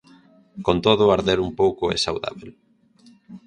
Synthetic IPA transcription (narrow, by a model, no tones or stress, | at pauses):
kont̪oð̞ʊaɾðeɾumpowkʊḛsawða̰βel